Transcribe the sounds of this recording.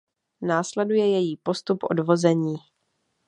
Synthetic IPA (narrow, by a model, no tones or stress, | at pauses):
naːslɛdujɛjɛjiːpo̞st̪upʔo̞̰dvo̞zɛɲiː